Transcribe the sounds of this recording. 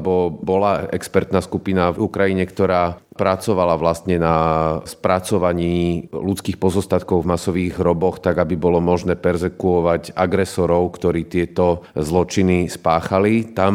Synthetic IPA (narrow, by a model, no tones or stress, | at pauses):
bɔbɔlaɛ̰kspɛɾt̪naːskupinavukɾajiɲɛkt̪ɔɾaːpɾat͡sɔʋalaʋlast̪ɲɛnaspɾat͡sɔʋaɲiːlut͡skiːxpɔzɔst̪at̪̚kɔʊvmasɔʋiːɣɦɾɔbɔxt̪aɡabibɔlɔmɔʒnɛːpɛɾzɛkuɔʋaɟaɡɾɛsɔɾɔʊkt̪ɔɾiːt̪ɪɛt̪ɔzlɔt͡ʃinispaːxalit̪am